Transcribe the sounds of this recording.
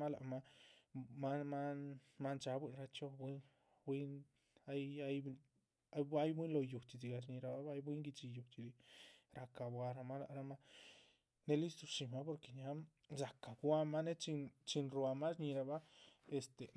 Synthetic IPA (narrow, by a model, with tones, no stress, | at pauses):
a˦la̰˨ʔma˦ | ma˦ma˦ma˦nt͡ʃa˧bʷi˦˧nɾa˧t͡ʃo˧bwi˦n | bwi˦n | a˦ja˦j | a˦jbʷi˦nlo˧ju˨t͡ʃi˨di˧ɡa˨˧ʃ̬ɲi˧ɾa˧˨ba˦a˦jbwi˦ŋɡi˧t͡ʃi˧ju˨t͡ʃi˧di˧ɾʔa˧ka˨bwa˧ɾa˧ma˦la̰˧ʔɾa˧ma˦ | ne˦li˦st̪u˧ʃi˨ma˦po˧ɾke˨ɲa˧˦ | za˨ka˨bwa˧ma˦ne˦t͡ʃi˧nt͡ʃi˧nɾwa˧ma˦ʃɲi˧ɾa˧ba˦e˨st̪e˨